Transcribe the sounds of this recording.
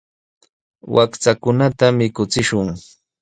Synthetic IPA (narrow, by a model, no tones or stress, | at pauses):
wʔakt͡sakʊnat̪amɪkʊt͡sɪʃʊŋ